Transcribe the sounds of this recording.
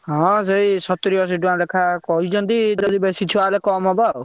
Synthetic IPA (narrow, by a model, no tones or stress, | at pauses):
ɦɔ̃s̬eisɔt̪ɾiɔs̬iʈuãlekʰakɔɦid͡ʒʰɔnt̪id͡ʒɔd̪ibesit͡ʃʰualekɔmɔbɔ